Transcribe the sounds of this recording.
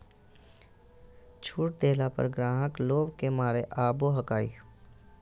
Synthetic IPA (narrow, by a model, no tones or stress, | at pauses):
t͡ʃʰuːʈ̚d̪eːlapə̰ɾɡɾãːɦəkloːbkemaːɾeʔaːboɦəkaːḭː